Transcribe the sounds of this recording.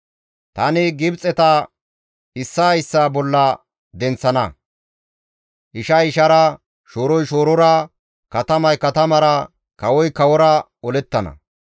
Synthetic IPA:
t̪ɐnɪɡɪbt͡sʼːɛt̪ɐ | ɪsːaːɪsːaːbɔlːɐ | d̪ɛnt͡sːɐnɐ | ʔɪʃɐɪʃɐɾɐ | ʃoːɾɔjʃoːɾɔɾɐ | kɐt̪ɐmɐjkɐt̪ɐmɐɾɐ | kɐwɔjkɐwɔɾɐ | ɔlɛt̪ːɐnɐ̰

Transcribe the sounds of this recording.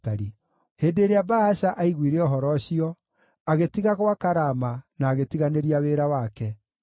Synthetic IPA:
aɾi | heːndeːɾeabaaɕaʔaiɣwiɾeɔɦɔɾɔɕiɔ | aɣetiɣaɣwakaɾamanaːɣetiɣaneɾiaweːɾawakɛ

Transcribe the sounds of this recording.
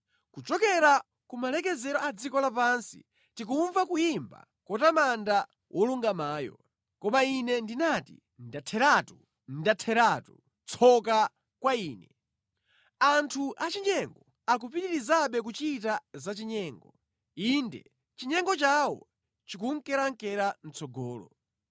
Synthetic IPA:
kut͡ʃɔkɛɾa | kumalɛk̬ɛzɛɾɔad͡zikɔlapansḭ | tik̬uɱvakujimba̰ | kɔtamanda | wʔɔluŋɡamaːjɔ̰ | kɔmainɛndinatḭ | ndatʰɛɾatu | ndatʰɛɾaːtu | t͡sʰɔka | kwaiːnɛ | antʰuʔat͡ʃiɲɛŋɡɔ | ak̬upitiɾizaɓɛk̬ut͡ʃitazat͡ʃiɲɛːŋɡɔ | indɛ̰ | t͡ʃiɲɛŋɡɔt͡ʃawɔ̰ | t͡ʃik̬uŋ̩kɛɾaŋ̩kɛɾan̩t͡sʰɔɡɔːlɔ̰

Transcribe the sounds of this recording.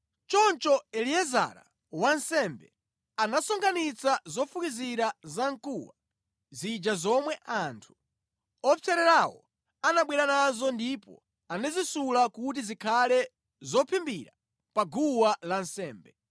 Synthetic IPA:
t͡ʃɔnt͡ʃɔɛliɛza̰ɾa̰ | wansɛmbɛ | anasɔŋɡanit͡sazɔfukiziɾazaŋkuwa | zid͡ʒazɔmwɛʔantʰu̥ | ɔt͡sʰɛɾɛɾawɔ̰ | anaɓwɛɾanazɔndipɔ̰ | anɛzisulakut̬izikʰalɛ | zɔpʰimbiɾa | paɡuwalansɛːmbɛ

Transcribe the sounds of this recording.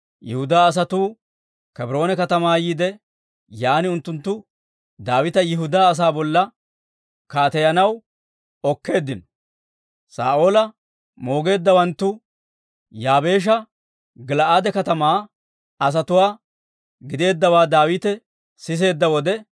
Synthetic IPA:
jɪhʊd̪aːɐs̬ɐt̪uː | kɛbɪɾo̞ːnɛkɐt̪ɐmaːjiːd̪ɛ | jaːnɪʊnt̪ːʊnt̪ːʊ | d̪aːwɪt̪ɐjɪɦʊd̪aːs̬aːbɔlːɐ | kaːt̪ɛjɐnɐw | ɔkːe̞ːd̪ːɪnɔ | sa̰ːʔo̞ːlɐ | mo̞ːɡe̞ːd̪ːɐwɐnt̪ːʊ | jaːbe̞ːʃ̬ɐ | ɡɪlɐʔaːd̪ɛkɐt̪ɐmaː | ɐs̬ɐt̪ʊwaː | ɡɪd̪e̞ːd̪ːɐwaːd̪aːwɪt̪ɛ | sɪs̬e̞ːd̪ːɐwɔd̪ɛ

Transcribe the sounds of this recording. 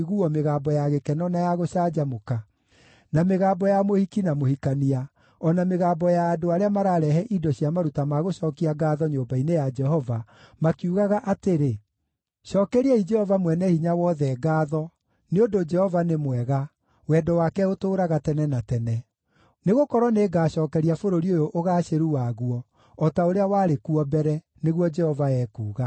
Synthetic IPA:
ɣuɔmeɣabɔjaɣekɛnɔnajaɣoɕaːd͡ʑamoka | nameɣaːbɔjamohikinamohikania | ɔnameɣaːbɔjaːdoaɾeamaɾaɾɛɦɛʔidɔɕiamaɾutamaɣoɕɔkiaɡaːðɔɲoːbainejad͡ʒɛɦɔva | makiuɣaɣaʔateɾe | ʃɔːkɛɾiɛid͡ʒɛhɔvamwɛnɛhiɲawɔðɛːɡaːðɔ | neondod͡ʒɛhɔvanemwɛɣa | wɛdɔwakɛotoːɾaɣatɛnɛnatɛnɛ | neɣokɔɾwɔneːɡaːɕɔːkɛɾiafoɾoɾiojoʔoɣaːɕeɾuwaɣuwɔː | taoɾeawaːɾekuɔbɛɾɛ | neɣwɔd͡ʒɛhɔvaɛːkuːɣa

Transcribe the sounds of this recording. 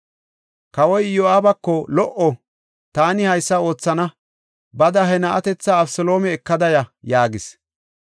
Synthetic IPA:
kɐwɔjjoaːbɐkːɔlɔʔɔ | t̪aːnɪhɐjsːɐo̞ːt͡sːɐnɐ | bɐd̪ɐɦɛnɐʔɐt̪ɛt͡sːɐːbsɔlo̞ːmɛːkːɐd̪ɐjɐjaːɡɪs

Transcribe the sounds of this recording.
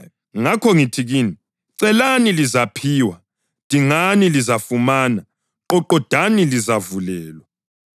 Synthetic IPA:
ŋakʰɔŋitʰiɣiːni | ǀɛlanilizapʰiːwa | d̥ʱiŋanilizafumaːna | ɔǃɔd̥ʱanilizavulɛːlwa

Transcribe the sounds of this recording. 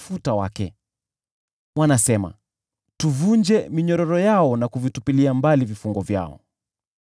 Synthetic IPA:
futawa̰kɛ | mwanasɛma̰ | tuvund͡ʒɛmiɲɔɾɔɾɔjaɔnakuvitupiliambalivifuŋɡɔvja̰ɔ̰

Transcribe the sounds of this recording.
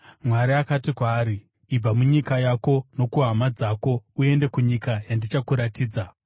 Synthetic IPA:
mwaɾiakatikwaːɾiː | b͡vamuɲikajako̞no̞kuɦamad͡zako̞ue̞nde̞kuɲikajandit͡ʃakuɾatiːd͡za

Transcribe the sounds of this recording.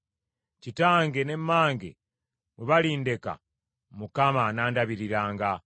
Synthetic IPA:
citaːŋɡe̞ne̞mːaːŋɡḛ | muβaliːnde̞ka̰ | mukamanaːndaβiɾiɾaːŋɡa

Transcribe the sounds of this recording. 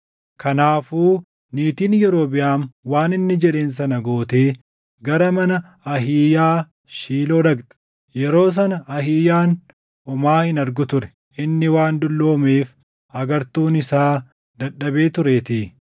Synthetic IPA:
kʰɐnaːfuː | niːt̪iːnjɛɾoːbɪjaːnwaːnɪnːɪd͡ʒɛᶑe̞ːns̬ɐnɐɡo̞ːt̪eː | ɡɐɾɐmɐnɐ | ɐɦiːjaː | ʃiːlo̞ːd̪ɐɡt̪ɐ̥ | jɛɾo̞ːs̬ɐnɐɐɦiːjaːn | ɔmaːhɪnɐɾɡʊt̪ʊɾɛ̥ | ʔɪnːɪwaːnd̪ʊlːo̞ːmeːf | ɐɡɐɾt̪uːnɪsaː | d̪ɐɗːɐbe̞ːt̪ʊɾeːt̪i

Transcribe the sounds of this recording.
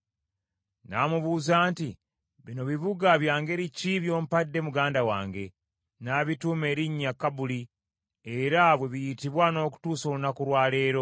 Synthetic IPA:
naːmuβuːzaːnti | βino̞βiβuɡaβjaːŋɡe̞ɾiciβjo̞ːm̩padːe̞muɡaːndawa̰ːŋɡe̞ | naβituːme̞ːɾiɲːakːabuli | e̞ɾaβwe̞βijitiβwano̞ːk̬u̥tuːso̞ːlunakuɾwaːle̞ːɾo̞

